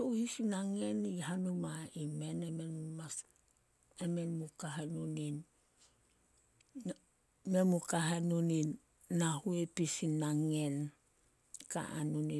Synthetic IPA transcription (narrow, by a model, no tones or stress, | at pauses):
towhisinaŋe̞niɦanumaime̞nemenmas | eme̞nmukaɦanunin | memukaɦanuninː | ahuepisinaŋe̞n | ka̰a̰nuni